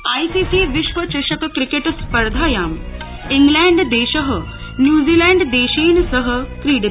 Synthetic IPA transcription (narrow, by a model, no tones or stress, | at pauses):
aːjsiːsiːʋɪʃʋɐt͡ʃɐʃɐkkɾikeʈspɐɾd̪ʱaːjaːm | iŋɡlɛːɳɖd̪eːʃɐɦə | njuːziːlɛːɳɖd̪eːʃeːnsɐɦə̆kɾiːɖ